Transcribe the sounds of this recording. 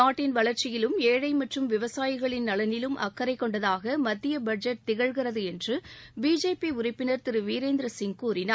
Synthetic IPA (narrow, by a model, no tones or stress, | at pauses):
aːʈːɪnʋɐɭɐɾt͡ʃɪjɪlɯmeːɻɐɪmɐʈrɯmʋɪʋɐsaːjɪɣɐɭɪnːɐlɐnɪlɯmʔɐ̰kːɐɾɐɪkːɔɳɖɐðaːɣɐmɐd̪ːɪjɐbɐd͡ʒɐʈ̚t̪ɪɣɐɻɣɪrɐðɯɛndrɯbiːd͡ʒeːpiʊɾɪpːɪnɐɾt̪ɪɾɯʋiːɾeːnd̪ɾɐsɪŋkuːɾɪna